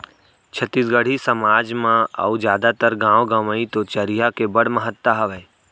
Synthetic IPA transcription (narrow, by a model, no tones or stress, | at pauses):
t͡ʃʰət̪ːisɡəɽ̤isəmaːd͡ʒmãə̰ud͡ʒjaːd̪at̪əɾɡãːʋwɡəməĩt̪ot͡ʃɐɾijakebɐɽ̤məɦət̪ːaɦɐʋə